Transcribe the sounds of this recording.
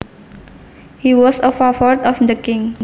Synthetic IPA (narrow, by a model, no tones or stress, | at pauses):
hiwɔsəfafɔt̪ɔfd̪əkɪ̃ŋ